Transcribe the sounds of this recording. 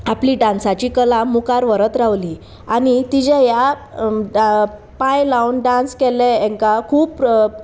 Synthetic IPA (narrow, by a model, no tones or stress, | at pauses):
apliːɖãnsat͡ɕiːkəlamukaɾʋəɾət̪ɾaʋli | añit̪id͡ʑɛ̃ja | pãjlawnɖãnskɛlɛ̃ɛ̃ŋkakʰuːp